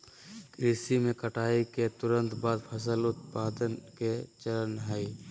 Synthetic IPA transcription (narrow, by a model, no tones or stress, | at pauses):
kɾiːsimẽkəʈʰaːiket̪ʊɾə̃nt̪baːd̪pʰəs̬əlʊt̪̚paːd̪ənket͡ʃələnɦai